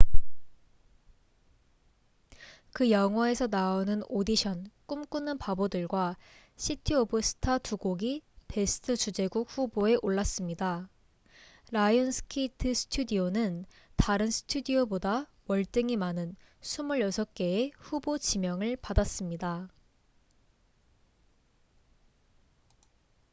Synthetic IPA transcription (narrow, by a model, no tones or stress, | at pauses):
kɯjʌŋɦwʌe̞sʰʌnaonɯnodiɕʰʌnk͈umk͈unːɯnpabodɯɭɡwa | ɕʰitʰiobɯsʰɯ̥tʰatʰuɡoɡipe̞sʰɯ̥tʰɯt͡ɕud͡ʑe̞ɡuk̚ɸuboe̞ʔoɭːas͈ɯmɲida | ɾajonsʰɯ̥kʰitʰɯsʰɯ̥tʰudionɯn | taɾɯnsʰɯ̥tʰudioboda | wʌɭt͈ɯŋimanɯn | sʰumuɭjʌsʰʌk̚k͈e̞eɸubot͡ɕimjʌŋɯɭpadas͈ɯmɲida